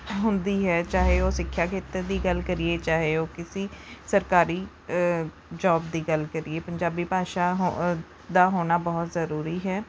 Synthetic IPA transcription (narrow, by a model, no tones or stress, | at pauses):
ɦʊnd̪iːɦɛːt͡ʃaːɦeːoːsɪkʰːjaːkɪt̪əɾd̪iːɡəlkəɾieːt͡ʃaːɦeːoːkɪsĩːsəɾkaːɾiː | d͡ʒɔːbd̪iːɡəlkəɾieːpəɲd͡ʒaːbiːpaːʃaːɦ | d̪aːɦoːnaːbɔːt̪zəɾuːɾiːɦɛː